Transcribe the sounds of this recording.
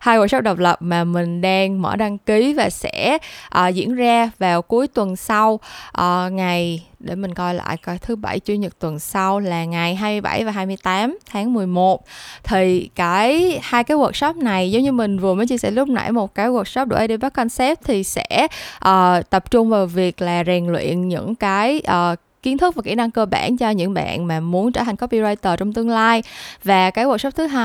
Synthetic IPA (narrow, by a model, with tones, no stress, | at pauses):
haː˧jwə˨˩sɔ˦˥k͡p̚ɗə˨˩wk͡p̚lə˨˩p̚maː˨˩mï˨˩ŋ̟ɗaː˧ŋmə̰ː˧˩ɗa˧ŋki˨˦vaː˨˩sɛ̰˧˥ʔəː˨˩zḭ˧˥ənzaː˧vaː˨˩wku˨˦əjt̪wə˨˩nsa˧wʔəː˨˩ŋa˨˩jɗe˧˩mï˨˩ŋ̟kɔ˧jla̰ː˧˨jkt̪ʰɨ˨˦ɓa̰˧˩jt͡ɕwi˧əɲə˨˩t̪wə˨˩nsa˧wlaː˨˩ŋa˨˩jɦaː˧mɨ˧əjɓa̰˧˩jvaː˨˩ɦaː˧jmɨ˧əjt̪aː˨˦mt̪ʰaː˨˦ŋmɨ˨˩əjmo˨˩t̚t̪ʰi˨˩kaː˨˦jhaː˧jkaː˨˦jwə˨˩t̚sɔ˦˥p̚na˨˩jzə˨˦ŋ͡mɲɨ˧mï˨˩ŋ̟vɨ˨˩məː˨˦jt͡ɕi˧sɛ̰˧˥lʊ˦˥k͡p̚na̰˧˥jmo˨˩t̚kaː˨˦jɣwə˨˩t̚sɔ˦˥p̚ɗṵ˧˩ʔə˧ɗə˧jɓa˦˥k̚kɔ˧nsɛ˦˥p̚t̪ʰi˨˩sɛ̰˧˥ʔəː˨˩t̪ə˨˩p̚t͡ɕʊ˧ŋ͡mvaː˨˩wvi˨˩ək̚laː˨˩zɛ˨˩ŋlwḭ˧˨ənɲɨ̰˧˥ŋkaː˨˦jʔəː˨˩ | ki˨˦ənt̪ʰk̚vaː˨˩kḭ˧˩əna˧ŋkəː˧ɓa̰ː˧˩˨nt͡ɕɔ˧ɲɨ̰˧˥ŋɓa̰ː˧˨nmaː˨˩mu˨˦ənt͡ɕəː˧˩a˨˩ŋ̟kɔ˦˥pi˧zɔ˧jt̪əː˨˩t͡ɕɔ˧wŋ͡mt̪ɨ˧əŋlaː˧jvaː˨˩kaː˨˦jwə˨˩t̚sɔ˦˥p̚t̪ʰɨ˨˦ɦaː˧